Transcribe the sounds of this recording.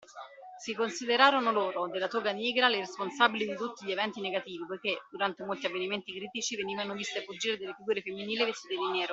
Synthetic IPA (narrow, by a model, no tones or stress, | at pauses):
sikonsid̪eɾaːɾonoloːɾod̪elːat̪oɡanjɛːɡɾaleɾesponsabilid̪it̪ut̪ːiʎievɛnt̪ineɡat̪iːvipojk̟ed̪uɾant̪emolt̪iavːeniment̪ikɾiːt̪it͡ʃiveniːvanovist̪eapːud͡ʒiːɾed̪elːefiɡuːɾefemːiniːlivesid̪elinɛːɾo